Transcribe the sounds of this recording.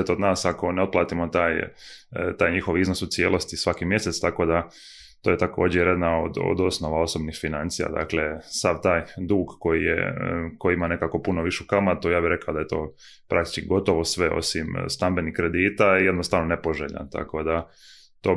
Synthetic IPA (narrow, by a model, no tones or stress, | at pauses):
et̪od̪naːsako̞neo̞t̪plˠaːt̪imot̪aːj | t̪aːjɲixo̞ʋiznosusije̞ːlˠo̞st̪isʋakimje̞se̞t̪st̪ako̞d̪a | t̪ojet̪ako̞ːd͡ʒjejɾed̪nao̰d̪o̰d̪o̞sno̞ʋao̞so̞bnixfinant̪sija̰d̪a̰kle̞saʋt̪aːjd̪uːɡko̞jijḛko̞jiimane̞kako̞punoʋiʃeukamat̪ujaːbihɾe̞kaod̪aje̞t̪o̞̰ː | pɾak̚t̪i̥t͡ʃkiɡo̞t̪o̞ʋo̞sʋe̞ʔo̰simst̪ambe̞nihkɾe̞d̪iːt̪aijed̪nost̪aʋnonepoʒeʎa̰nt̪a̰ko̞d̪a | t̪o̞ː